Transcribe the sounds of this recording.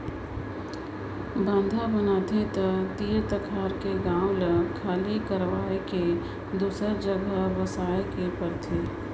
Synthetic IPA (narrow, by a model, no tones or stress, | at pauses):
bãnd̪ʱabənaːt̪ʰet̪əd̪iːɾt̪əkʰaːɾkeɡãːwləkʰaːlikəɾʋaːeke | d̪uːsəɾd͡ʒəɡʱəʋəsaːjkepəɾt̪ʰeː